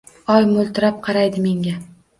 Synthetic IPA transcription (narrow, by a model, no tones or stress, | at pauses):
ɒjmʊlˠt̪ʰɪɾap̚qʰɑɾajd̪ɪme̞ŋɡʲa